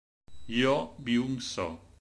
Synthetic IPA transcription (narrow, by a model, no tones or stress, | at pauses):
jɔbiumsɔ̰